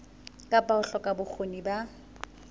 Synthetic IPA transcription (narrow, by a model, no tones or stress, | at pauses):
kʼapʼaʊɬɔkʼabʊk͡xʰoniba